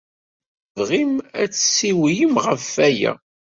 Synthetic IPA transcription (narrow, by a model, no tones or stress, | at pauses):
vʁimæ̰t͡sːsiwijəmʁəfːæjæ̰